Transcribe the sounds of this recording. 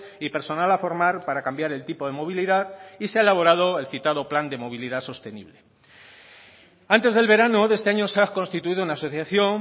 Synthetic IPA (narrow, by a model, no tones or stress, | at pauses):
ipe̞ɾso̞nalafo̞ɾmaɾpaɾakambjaɾe̞lt̪ipo̞ð̞e̞mo̞β̞iliðaðiseaelaβ̞o̞ɾað̞o̞e̞lθit̪aðopland̪e̞mo̞β̞iliðaso̞st̪e̞nḭβle̞ | ant̪e̞zðe̞lβe̞ɾanoðe̞st̪e̞aɲo̞seako̞nst̪it̪uiðounaːso̞θjaθjo̞ŋ